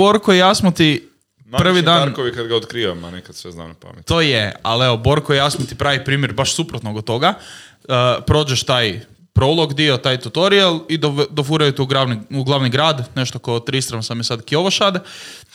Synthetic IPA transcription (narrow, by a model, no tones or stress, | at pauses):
boɾkojejasmot̪i | npr̩ʋid̪aːnɾkoʋikad̪ɡaot̪kɾiːʋama̰nekad̪sʋezna̰ːmnapa̰mjḛt̪oːjea̰leʋobo̞ɾkoejasmot̪ipɾaːʋipɾiːmjeɾbaʃsupɾot̪noɡot̪ːo̞ɡa | pɾo̞ːd͡ʒeʃt̪aːj | pɾo̞ulˠo̞ɡd̪io̞t̪aːjt̪ut̪oɾialˠid̪od̪ofuɾajut̪uuɡɾaʋniuɡlˠaʋniɡɾaːd̪ne̞ʃt̪oko̞t̪ɾist̪ɾansamjesad̪kio̞ʋoʃaːd̪e